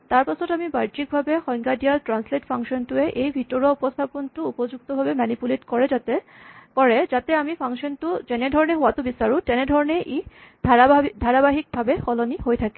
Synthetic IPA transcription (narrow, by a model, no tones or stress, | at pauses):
t̪aɾpasʰotamibaɾd͡ʒik̚bʱabehɔjŋɡaɖialʈɾansleʈfʰaŋʃɔntueʔejbʱiʈoɾaupost̪ʰapontuupod͡ʑuk̚t̪obʱabemanipuleʈkɔɹed͡ʑat̪e | pɔɹed͡ʑat̪eamifʰaŋʃɔntud͡ʑɛnedʱɔɾɔneɦoat̪ubisaɾutɛned̪ʱɔɾɔneʔe | d̪ʱaɾabaɦik̚bʱabehɔlonihojt̪ʰake̥